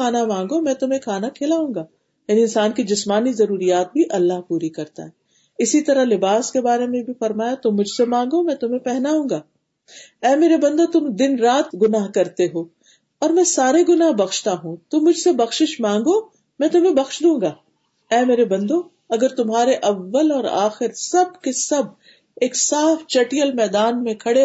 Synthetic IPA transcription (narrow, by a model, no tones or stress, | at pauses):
aːnamãːŋɡomɛ̃ːt̪ʊm̤ẽkʰaːnakʰeːlaũːŋɡaː | jaːniɪnsaːnkid͡ʒɪsmaːnizɐɾuːɾijaːt̪̚bʱiʔɐlːaɦpuːɾikɐɾt̪a̰ɦɛː | ɪsit̪ɐɾalɪbaːskebaːɾemẽbʱifɐɾmaːjat̪ʊmːʊd͡ʒʱsemãːŋɡomɛ̃ːt̪ʊmẽpɛɦnaɦũːŋɡaː | ɛːmeːɾebɐ̃nd̪õt̪ʊmd̪ɪnɾaːt̪ɡʊnaːɦkɐɾt̪eɦoː | ɔːɾmɛ̃saːɾeɡʊnaːɦbɐxʃt̪aɦũt̪ʊmːʊd͡ʒʱsebɐxʃɪʃmãːŋɡo | mɛ̃ːt̪ʊmẽbɐxʃd̪ũːŋɡaː | ɛːmeːɾebɐ̃nd̪õ | ɐɡəɾt̪ʊmɦaːɾeʔɐʋːəlɔːɾa̰ːxɪɾsɐb̚kesɐb̚ | eːksaːft͡ʃɐʈijəlmɛːd̪aːnmẽkʰɐɽe